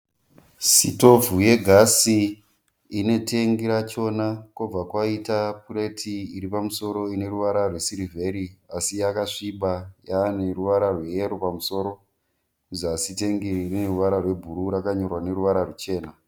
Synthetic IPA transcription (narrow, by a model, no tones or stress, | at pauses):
sḭto̞vuje̞ɡʱasi | ine̞te̞ŋɡiɾat͡ʃo̞nakob͡vakwaitapure̞tʰiiɾipamuso̞ɾo̞ine̞ɾuʋaɾarwe̞siɾivʱe̞ɾiasijakaʂiɓajaːneruʋaɾarwe̞eɾupamuso̞ːɾo | uziasite̞ŋɡiirineruʋaɾarwe̞bʱuɾuɾakaɲo̞rwane̞ɾuʋaɾarut͡ʃe̞ːna